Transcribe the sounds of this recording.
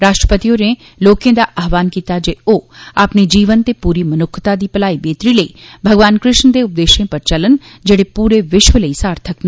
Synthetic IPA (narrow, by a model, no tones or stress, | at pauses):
ɾaːʃʈɾəpət̪ijone | loːkẽd̪aʔɐɦʋaːnkiːt̪ad͡ʒeoːaːpned͡ʒiːʋənt̪epuːɾimɐnʊkʰːt̪ad̪ipɐlaːibeːt̪ɾiləḭbʱɐɡʋaːnkɾɪʃnd̪eʊp̚d̪eːʃẽpɐɾt͡ʃɐlənd͡ʒɐɽepuːɾeʋɪʃʋələisaːɾt̪ʰəkna